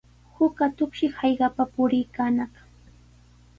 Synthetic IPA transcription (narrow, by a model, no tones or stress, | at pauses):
hʊkat̪ʊkʃɪhɑjɢɑpapʊɾɪjkaːnɑχ